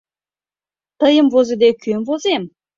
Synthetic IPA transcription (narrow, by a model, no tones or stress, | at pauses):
t̪əjə̆mvozed̪ekømvozem